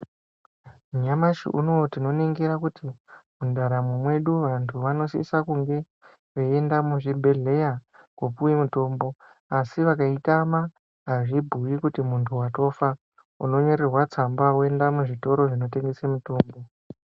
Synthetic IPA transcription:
muɲamaʃḭʔṵnotino̞neŋɡeɾakutimundaɾamumwe̞ɗuʋantʰuʋano̞sḭsakuŋɡe̞ | ʋeendamuʐibʱe̞ɮe̞jakopuwemuto̞ːmbo̞ | asiʋakaitama | ɦaʐibʱuwikutimuntʰuwato̞fa | ṵno̞ɲo̞ɾerwat͡sambawoe̞ndamuʐito̞ɾo̞ʐino̞te̞ŋɡesemuto̞ːmbo̞

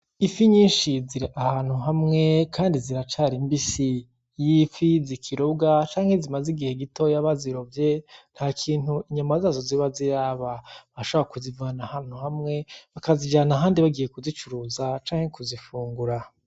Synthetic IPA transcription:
ifiɲiːnʃiziɾeʔahaːn̥huɦamŋe̞kʰaːndiziɾat͡ʃaɾimbisi | jiːfizikʰiɾobɡat͡ʃaːŋhe̞zimaziɡiheɡito̞jaβaziɾovjen̥haːkʰiːnhuiɲamazaːzo̞ziβaziɾaβaβaaʃoβaakuzivaanahaːn̥huhamŋe̞βakazid͡ʒaːnaɦaːndiβaɡije̞kuzit͡ʃuɾuːzat͡ʃaːŋ̥e̞kuzifuːŋɡuɾa

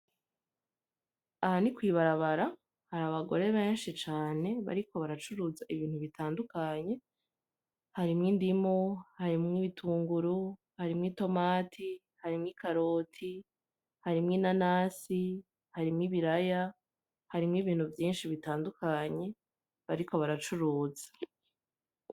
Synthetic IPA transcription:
ahanikwiːβaɾaβaɾa | haɾaːβaɡo̞ɾe̞βe̞ːnʃit͡ʃaːne̞βa̰ɾiko̞βaɾat͡ʃuɾuzaʔiβiːn̥huβitʰaːndukaɲe̞ | haɾimŋiːndimohaɾimŋiːβitʰuːŋɡuɾu | haɾimŋiːto̞maːtʰi | haɾimŋiːkaɾo̞ːtʰi | haɾimŋiːnanaːsi | haɾimŋiːβiɾaja | haɾimŋiːβiːn̥huvjiːnʃiβitaːndukʰaɲe̞ | βaɾiko̞βaɾat͡ʃuɾuːzḁ

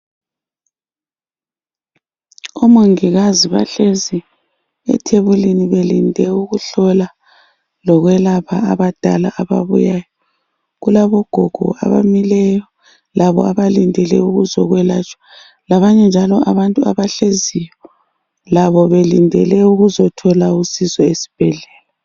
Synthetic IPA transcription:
omoŋiɣaziβa̰ɬezi | ɛ̰tʰeβuliniβelindʱɛuɣuɬɔla | lɔɣwɛlaβʰa̰aβad̥ʱa̰laʔaβa̰βṵjajɔ | ɣulaβɔɡ̥ʱɔɡ̥ʱɔ̰a̰βa̰milɛjɔ | laβɔ̰aβalindʱɛlɛ̰uɣuzɔɣwɛla̰t͡ʃʼwḁ | laβaɲɛnd͡ʒʱalɔaβantʼuaβaɬezijɔ | laβɔβelindʱɛlɛuɣuzɔtʰɔlausizɔesi̥b̥ʱɛɮɛːla

